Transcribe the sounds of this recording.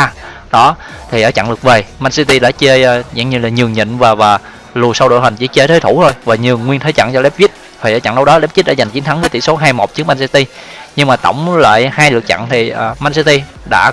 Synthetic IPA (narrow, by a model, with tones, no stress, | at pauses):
ɗɔ˨˦t̪ʰi˨˩ʔəː˧˩˦t͡ɕa̰˧˨ŋlɨ˨˩ək̚ve˨˩ma˧nsi˧t̪i˧ɗa̰ː˧˥t͡ɕe˧za̰˧˥ŋɲɨ˧laː˨˩ɲɨ˨˩əŋɲə̰˧˨nvaː˨˩vaː˨˩ | lu˨˩əsa˧wɗo̰˧˨jɦa˨˩ŋ̟t͡ɕḭ˧˥˦t͡ɕe˧t̪ʰəː˨˦jt̪ʰu˧˩t̪o˧jvaː˨˩ɲɨ˨˩əŋːwi˧ənt̪ʰə˨˦jt͡ɕa̰˧˨ŋt͡ɕɔ˧lɛ˦˥p̚vi˦˥t̚ | vʰi˨˩ʔəː˨˧˦t͡ɕa̰˧˩ŋɗə˧wɗɔ˨˦lɛ˦˥p̚zi˦˥t̚ɗa̰ː˧˩za˨˩ŋ̟t͡ɕi˨˦ənt̪ʰŋvəː˨˦t̪i˧˩so˨˦ɦaː˧jmo˨˩t̚t͡ɕɨ˦˥əkma˧nsi˧t̪i˧ɲɨ˧ŋmaː˨˩t̪ə̰˧˩wŋ͡mla̰ː˧˨jhaː˧jlɨ˨˩ək̚t͡ɕa̰˧˨ŋt̪ʰi˨˩əː˨˩ma˧nsi˧t̪i˧ | ɗa̰ː˧˥